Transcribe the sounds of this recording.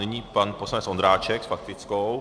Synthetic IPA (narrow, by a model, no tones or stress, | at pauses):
nɪɲipanposlanɛt͡ssʔond̪ɾaːt͡ʃɛksfak̚t̪ɪt͡skow